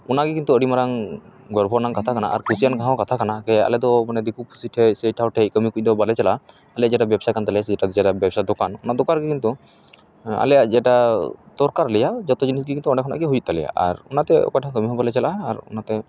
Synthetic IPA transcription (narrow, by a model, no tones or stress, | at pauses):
unaɡikint̪uəɽimaɾaŋ | ɡɔɾbʱɔnaŋkat̪ʰakana̰ʔa̰ɾkʰusijankaɦãwkat̪ʰakanakɛa̰lɛd̪ɔmanɛd̪ikupʰusiʈʰɛseʈʰawʈʰɛjkəmikuc̚ˀd̪ɔbalɛt͡ʃala | alɛjaʔd͡ʒɛʈabɛbsajkant̪alɛasɛd͡ʒɛʈad̪d͡ʒɛʈabjɛbsad̪ɔkanunaʔd̪ɔkaɾɡikint̪u | a̰lɛjaʔd͡ʒɛʈat̪ɔɾkaɾlɛjad͡ʒɔt̪ɔd͡ʒinisɡikint̪uɔnɛkʰɔna̰ɡiɦujut̪̚t̪ːalɛja̰ʔa̰ɾṵnat̪ɛɔ̰kajʈʰãkəmiɦɔbalɛt͡ʃalʔaːɾṵnat̪ɛ